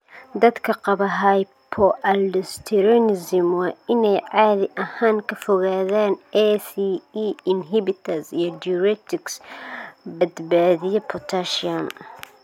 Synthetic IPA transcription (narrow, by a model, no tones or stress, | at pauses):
d̪ɐd̪kʰɐqɑbɐɦɐj | pʰɔʔɐldɪst̪ʰɛɾɔnɪzɪmwɑːɪnɛjʕaːðɪʔɐhaːŋkʰɐfɔɣaːðaːnɛsiiɪnɦɪbɪt̪ʰɐsijɔduɾɛk̚t̪ʰɪks | bɐd̪baːðɪjɛpʰɔt̪ʰaʃiɐm